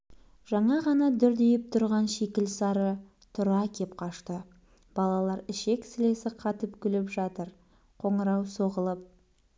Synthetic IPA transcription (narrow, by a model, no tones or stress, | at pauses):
ʒ̥ɑɴɑʁɑnɑd̪ʏɾd̪e̞jɪp̚t̪ʰʊɾʁɑnʃe̞kʲɪlsɑɾə | t̪ʰʊɾɑkʲʰepqʰɑʃt̪ə | b̥ɑlˠɑlˠɑɾɪʃe̞ksɪle̞sɪqʰɑt̪əpkʲʰʏlɪpʒɑt̪əɾ | qʰo̞ɴəɾɑwso̞ʁəlˠəp̚